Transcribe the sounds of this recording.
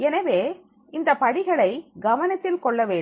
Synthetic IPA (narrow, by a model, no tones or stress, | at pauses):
ɛnɐʋeː | ɪnd̪ɐpɐɽɪɣɐɭɐɪɡɐʋɐnɐt̪ːɪlkɔɭːɐʋeː